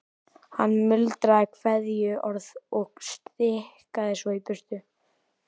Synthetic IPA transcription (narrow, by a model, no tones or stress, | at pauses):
hanːmʏlt̪ɾakʰvɛðjʏʔɔɾðɔɣst̪ɾɪhkaðɪsɔipʏst̪ʏ